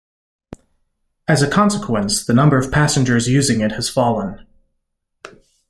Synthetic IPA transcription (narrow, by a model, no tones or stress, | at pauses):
ɨzɨkʰɑ̃nsəkʰw̥ə̃nsðɨnʌ̃mbə˞ʌv̥pʰæsnd͡ʒə˞zjʉzɪ̃ŋɨt̚hɨz̥fɑlˠə̃n